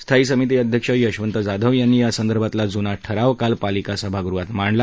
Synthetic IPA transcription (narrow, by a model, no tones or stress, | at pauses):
st̪ʰaiːsəmit̪̬iːəd̪ʱjəkʂəjəɕʋənt̪əd͡zad̪ʱəʋjanːiːjasənd̪əɾbʱat̪lad͡zunaʈʰəɾaʋkalpalikasəbʱaɡɾuʋat̪maɳla